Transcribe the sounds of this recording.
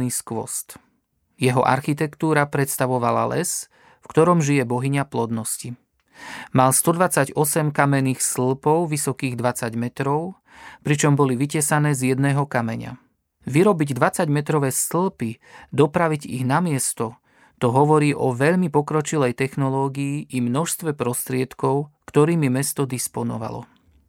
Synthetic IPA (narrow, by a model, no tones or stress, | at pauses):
niːskʋɔ̰st̪ | jɛɦɔʔa̰ɾxit̪ɛkt̪uːɾapɾɛt̪st̪aʋɔʋa̰la̰lɛ̰s | fkt̪ɔɾɔmʒijɛbɔɦiɲaplɔd̪nɔsci | malst̪ɔd̪ʋat͡saɟɔsɛmkamɛnːiːxsl̩pɔʊʋisɔkiːɣd̪ʋat͡saɟmɛt̪ɾɔʊ | pɾit͡ʃɔmbɔliʋicɛsanɛːzjɛd̪nɛːɦɔkamɛɲa̰ | ʋiɾɔbiɟd̪ʋat͡saɟmɛt̪ɾɔʋɛːsl̩pi | d̪ɔpɾaʋiɟḭɣnamɪɛst̪ɔ | t̪ɔɦɔʋɔɾiːʔɔʋɛʎmipɔkɾɔt͡ʃilɛjt̪ɛxnɔlɔːɡiiʔimnɔʃst̪ʋɛpɾɔst̪ɾɪɛt̪kɔʊkt̪ɔɾiːmimɛst̪ɔd̪ispɔnɔ̰ʋa̰lɔ̰